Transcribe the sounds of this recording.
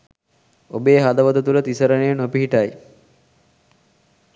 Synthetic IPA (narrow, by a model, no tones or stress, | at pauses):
obeːɦad̪ɐʋəd̪ət̪ulɐt̪isəɾənejnopiɦiʈɐj